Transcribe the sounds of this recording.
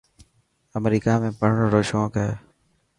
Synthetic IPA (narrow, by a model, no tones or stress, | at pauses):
əmɾiːkaːmẽːpəɽ̤ɳoɾoːʃõːkə